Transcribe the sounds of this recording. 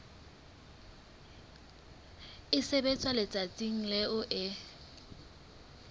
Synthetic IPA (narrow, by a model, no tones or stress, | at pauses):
ɪsebet͡sʼwalɪt͡sʼat͡sʼiŋ̩lɪʔʊʔɪ